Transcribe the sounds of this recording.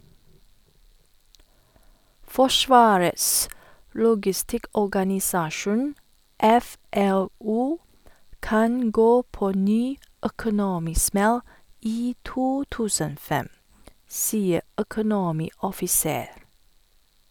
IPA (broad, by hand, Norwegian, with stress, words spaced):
ˈfɔˌʃʋɑːɾəs ˈlʊɡɪˌstɪkɔɡɑnɪˌsɑːʃʊn ˈɛˌfɛˌluː ˈkɑn ˈɡoː ˈpoː ˈnyː œkʊˈnoːmɪˌsmɛl ˈiː ˈtuː ˈtʉːsən ˈoː ˈfɛm ˈsiːə œkʊˈnoːmɪɔfɪˌseːɾ